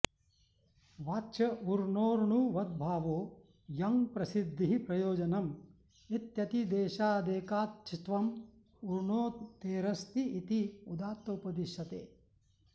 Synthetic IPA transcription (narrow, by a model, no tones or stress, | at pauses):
ʋaːtːʃɐuɾɳoːɾɳuʋɐd̪̚bʱaːʋoː | jɐŋpɾɐsid̪ːiɦipɾɐjoːd͡ʒɐnɐm | it̪jɐt̪id̪eːʃaːd̪eːkaːt̪̚t͡ʃʰit̪ʋɐm | uɾɳoːt̪eːɾɐst̪iit̪iud̪aːt̪ːɐupɐd̪iʃɐt̪eː